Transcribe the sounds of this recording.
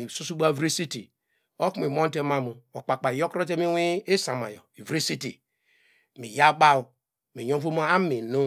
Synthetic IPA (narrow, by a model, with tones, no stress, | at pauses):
su˦su˦ba˦˨vɾi˦si˦tḭ˨ | o˦ku˦mi˨mo˦n˦te˦ma˦mu˨o˨k͡pa˨k͡pa˨jo˦kɾo˦te˦mi˦wi˦e˦sa˨ma̰˨jo̰˨i˨vɾi˦si˦tḭ˨ | mi˨ja˦ba˦u˨ | mi˨ɲõ˦vo˦mo˦a˦mi˨nu˦